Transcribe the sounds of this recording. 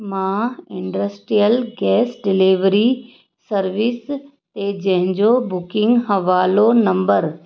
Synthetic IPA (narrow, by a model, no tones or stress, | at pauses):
mãɪ̃ɳɖəsʈɾijəlɡɛːsɖɪliʋɾi | sɐɾʋɪs | t̪ed͡ʑɐ̃ɦɪ̃ɲd͡ʑobʊkɪ̃ŋɡɦɐʋaːlonɐ̃mbəɾ